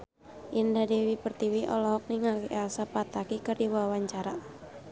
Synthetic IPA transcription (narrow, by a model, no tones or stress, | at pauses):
ʔindadewipərt̪iwiʔɔ̰lɔɦɔk̚niŋawiʔɛasapat̪akikərdiwawaɲt͡ʃaɾa